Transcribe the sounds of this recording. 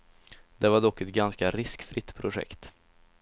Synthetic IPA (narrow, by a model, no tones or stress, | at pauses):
d̪ɛvaɖɔkːɛt̪̚ɡanskaɾɪskfɾɪt̪ːpʰɾʊɧɛ̰kt̪